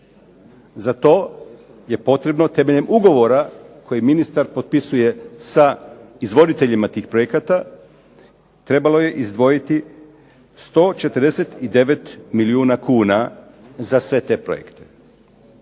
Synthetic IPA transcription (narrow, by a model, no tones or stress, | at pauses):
zat̪o̞ː | je̞po̞t̪ɾe̞bno̞t̪e̞me̞ʎe̞muɡo̞ʋo̞ɾakʰo̞jiminist̪aɾpo̞t̪̚pisuje̞saizʋo̞d̪it̪e̞ʎimat̪iːxpɾo̞jekat̪a | t̪ɾe̞balo̞je̞ʔizd̪ʋo̞jit̪i | st̪o̞t͡ʃe̞t̪əɾd̪e̞se̞t̪id̪e̞ʋe̞t̪miliuːnakuːna | zasʋe̞t̪e̞ːpɾo̰jḛkt̪e̥